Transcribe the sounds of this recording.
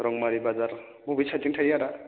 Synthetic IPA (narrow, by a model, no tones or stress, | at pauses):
ɾɔŋmaɾibazaɾ | bubit͡ʃʰatiŋtʰajaɾa